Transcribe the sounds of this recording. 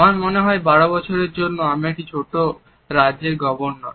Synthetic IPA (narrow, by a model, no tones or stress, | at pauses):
amaɾmoneɦɔebaɽobɔt͡ɕʰoɾeɾd͡ʑonːoameʈit͡ɕʰoʈo | ɾaeɾɡɔbonːɔ